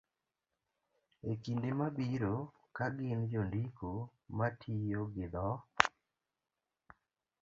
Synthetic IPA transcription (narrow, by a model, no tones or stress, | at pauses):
ekindemabiɾo | kaɡɪnd͡ʒondiko | matʰijoɡɪd̪ɔ